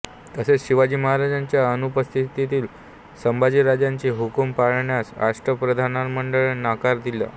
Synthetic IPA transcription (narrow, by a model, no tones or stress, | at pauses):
t̪əset͡sɕiʋad͡ʑiːməɦaɾad͡ʑaɲt͡ɕjaənupəst̪ʰit̪it̪iːl | səmbad͡ʑiːɾad͡ʑjaɲt͡ɕiɦukumpaɭɳjasɾa̰ʂʈɾəpɾəd̪ʱanaɾməɳɖəɭnakaɾd̪ila̰